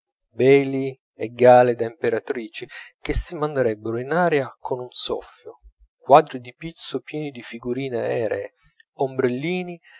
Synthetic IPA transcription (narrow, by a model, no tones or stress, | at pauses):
bɛːli | ɛɡːaːled̪aimpeɾat̪ɾiːt͡ʃik̟esːimand̪eɾɛbːeɾoinaːɾeakʰonunsɔ̰fːjo | kwaːd̪ɾid̪ipit̪sːopjɛːnid̪ifiɡuɾiːneaɛːɾḛː | ombɾelːiːni